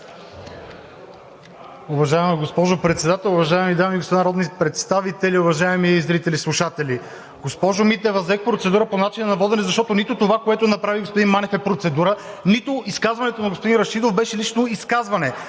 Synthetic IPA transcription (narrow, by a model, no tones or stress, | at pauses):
ʊvɐʒaɛmiɡospɔʒopɾɛt̪sɛd̪at̪ɛlˠʊvɐʒaɛmid̪amiɡospod̪inɾɔd̪nipɾɛt̪st̪avit̪ɛliʊvɐʒaɛmiizvɛɾit̪ɛlislˠuʃat̪ɛli | ɡ̥ospɔʒomit̪ɛvɐzɛk̚pɾot̪sɛd̪uɾəponat͡ʃinɐnɐvɔd̪ɛnɛzɐʃt̪ɔt̪onit̪ot̪ovakoɛt̪ʊnɐpɾaviɡospod̪inmanɛfɛpɾot̪sɛd̪uɾənit̪oiskazvɐnɛt̪onɐɡospod̪inɾɐʃid̪ofbɛʃɛlit͡ʃnoiskazvɐnɛ